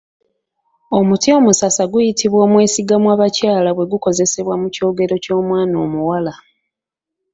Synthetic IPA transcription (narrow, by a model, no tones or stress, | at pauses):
o̞mutio̞musasaɡujitiβwo̞ːmwe̞ːsiɡamwaːβacaːlaβwe̞ɡuko̞ze̞se̞βwamuco̞ːɡe̞ɾo̞co̞ːmwaːnoːmuwala